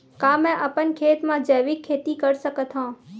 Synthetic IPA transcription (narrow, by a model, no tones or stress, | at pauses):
kaːmɛ̃ʔəpənkʰeːt̪mãd͡ʒəːʋɪkʰːeːt̪ikəɾsəkət̪ʰɦãː